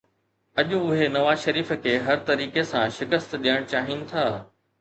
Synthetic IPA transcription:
ɐʄũʊɦenɐʋaːzʃɐɾiːfə̆kʰeːɦɐɾt̪ɐɾiːkesãʃɪkəst̪ɗijəɽ̃t͡ɕaːɦinɪ̆t̪ʰaː

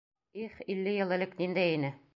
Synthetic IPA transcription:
iχilːɘjɤ̆lˠɘ̆lɘknind̪æjinɘ

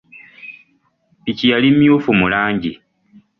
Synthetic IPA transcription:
picijalimjuːfumulaːɲɟi

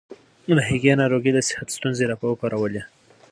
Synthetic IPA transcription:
ləɦɪɡenɑɾoɡid̪əsɪ̥hat̪st̪unzeɾɑpawəkɑɾawəle

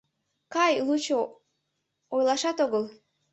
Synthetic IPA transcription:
kɑjlˠut͡ɕo | ojlˠɑʃɑt̪oɣəlˠ

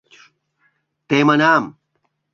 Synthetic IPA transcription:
t̪eːmɐnaːm

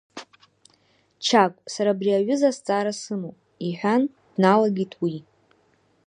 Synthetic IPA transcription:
t͡ʃʰakʷʼsaɾabriaɥʷʏzast͡sʼaɾasɨmo | iħʷᶣan | d̥nalaɡʲitʰwi

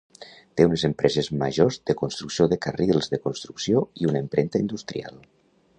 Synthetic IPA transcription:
t̪eunezempɾɛzezma̰ʒozðəkonst̪ɾuksioðəkarilˠzðəkonst̪ɾuksijoiunaempɾent̪aind̪ust̪ɾḭa̰lˠ

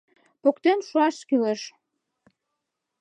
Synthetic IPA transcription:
pokt̪enʃoɑʃkyleʃ

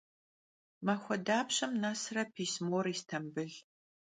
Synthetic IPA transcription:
maxʷɔdaːpɕɐmnaːsrɐpʰiːsmoːɾiːstʰɐmbɨɮ

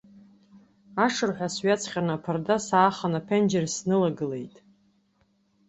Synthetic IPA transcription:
aʂɨrħʷᶣasɥat͡sʰχʲanapʰɨrdasaːχanapʰend͡ʒersnɨlaɡɨle̞̰jtʼ

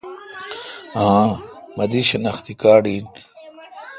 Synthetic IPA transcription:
ɦãmɐd̪iɕɐnɐxt̪ikaːɽiːn

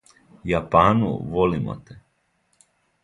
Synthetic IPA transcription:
japaːnṵʋolima̰t̪e

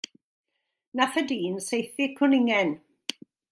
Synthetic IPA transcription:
naθədiːnsejθɪkʰʊnɪŋɛn

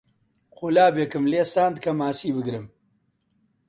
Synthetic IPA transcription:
xolaːbeːkɨmleːsaːnd̪̚kʰɐmaːsiːbɨɡɾɨm

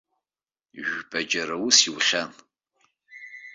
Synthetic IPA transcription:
ʒʷpʼɐd͡ʒɐɾɐwʊsiwɬʲɐn

